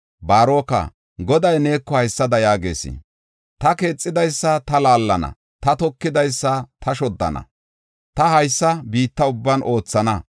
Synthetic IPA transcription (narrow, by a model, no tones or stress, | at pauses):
baːɾo̞ːkɐ̰ | ɡɔd̪ɐjne̞ːkːɔhɐjsːɐd̪ɐjaːɡe̞̰ːsɪ̰ | t̪ɐke̞ːt͡sʼːɪd̪ɐjsːɐt̪ɐlaːlːɐnɐ̰ | t̪ɐt̪ɔkːɪd̪ɐjsːɐt̪ɐʃɔd̪ːɐ̰nɐ̰ | t̪ɐhɐjsːɐbiːt̪ːɐʊbːɐnʔo̞ːt͡sːɐnɐ